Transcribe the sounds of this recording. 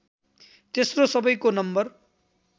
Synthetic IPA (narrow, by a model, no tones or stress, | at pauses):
t̪esrosʌbʌjkonʌmbʌr